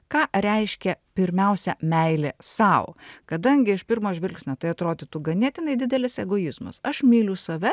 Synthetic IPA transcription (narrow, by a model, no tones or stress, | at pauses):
kɑːɾʲɛɪʃʲkʲɛpʲɪɾʲmʲɛʊsʲɛmʲɛɪlʲeːsɑʊkɐd̪ɐŋʲɡʲɪɪʃpʲɪɾmoːʒʲʋʲɪlʲksʲnʲoːt̪ɐɪɐt̪ɾoːd̪ʲɪt̪ʊɡɐnʲiɛt̪ʲɪnɐɪd̪ʲɪd̪ʲɛlʲɪsɛɡoːjɪzmɐ̰sɐʃmʲiːlʲʊsɐʋʲɛ